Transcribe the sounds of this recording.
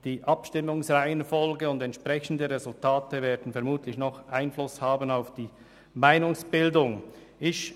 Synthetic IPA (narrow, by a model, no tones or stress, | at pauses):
d̥iːʔɑpʃtɪmʊŋsʁaɪənfɔlɡəʊndɛntʃpʁɛçən̩dəɾezʊltʰaːtəveːɐdn̩fɛɐmuːtlɪçnɔχʔaɪnflʊshaːbənaʊfd̥iː | maɪnʊŋsb̥ɪldʊŋ | ɪç